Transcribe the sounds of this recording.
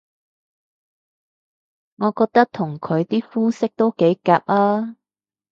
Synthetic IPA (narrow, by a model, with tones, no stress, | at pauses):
ŋɔː˨˧kɔː˧k̚t̪ɐ˥k̚t̪ʰʊ˨˩ŋkʰɵ˨˧ɥt̪iː˥fuː˥sɪ˥k̚t̪o˥wke˨˥jkaː˧˨p̚laː˥